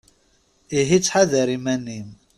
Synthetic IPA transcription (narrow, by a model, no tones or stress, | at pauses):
iɦit͡sːħaðæɾimænːim